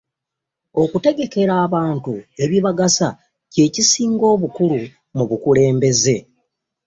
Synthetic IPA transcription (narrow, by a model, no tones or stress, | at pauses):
o̞kute̞ɡe̞ke̞ɾaːβaːntue̞βiβaɡasa | ce̞ːcisiːŋɡo̞ːβukulu | muβukule̞ːmbe̞ze̞